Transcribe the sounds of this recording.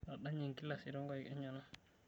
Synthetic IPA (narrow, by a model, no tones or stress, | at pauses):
aɗaɲiŋkilːasiɾɔŋɡɔikɛɲːɔna